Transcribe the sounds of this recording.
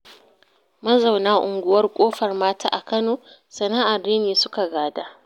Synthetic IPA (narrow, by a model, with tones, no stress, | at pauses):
mɐ˦zɐ˨wnaː˦ʔʊ˨ŋɡʷʊ˨wɐ˦rkʷʼoː˦ɸɐ˨rmaː˦taː˦ʔa˨kɐ˦noː˨ | sɐ˨naː˦ʔa˨rdeː˦neː˨sʊ˦ka˨ɡaː˨daː˦